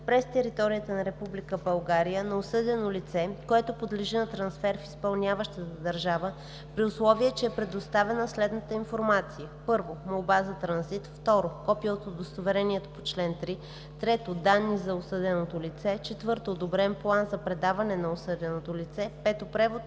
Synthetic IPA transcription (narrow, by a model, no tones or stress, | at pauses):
pɾɛst̪ɛɾit̪ɔɾijət̪ənɐɾɛpublikəbɐlˠɡaɾijənɐosɤd̪ʲɛnolit̪sɛkoɛt̪opod̪liʒinɐt̪ɾɐnsfɛɾfispɐlˠnʲavəʃt̪ət̪əd̪ɐɾʒavə | pɾiʊslˠɔviɛt͡ʃɛɛpɾɛd̪ost̪avɛnəslɛd̪nət̪əinfoɾmat̪sijəpɤɾvomolˠbazɐt̪ɾɐnzit̪ft̪ɔɾokɔpilˠot̪od̪ost̪ovɛɾɛniɛt̪opot͡ʃlɛnt̪ɾi | t̪ɾɛt̪od̪anːizɐosɤd̪ɛnot̪olit̪sɛt͡ʃɛt̪vɤɾt̪oːd̪obɾɛnplˠanzɐpɾɛd̪avɐnɛnɐosɤd̪ʲɛnot̪olit̪sɛpɛt̪opɾɛvot̪